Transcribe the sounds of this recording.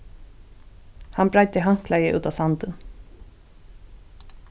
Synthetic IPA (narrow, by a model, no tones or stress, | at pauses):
hanbɾaɪt̪əɦaŋ̥klajɪʔʉ̰ːt̪asant̪ən